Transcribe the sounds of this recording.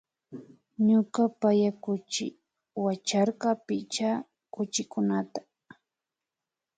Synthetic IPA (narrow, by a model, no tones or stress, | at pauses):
ɲʊkapajakʊt͡ʃɪ | wat͡ʃaɾqɑpɪt͡ʃa | kʊt͡ʃɪkʊnat̪ḁ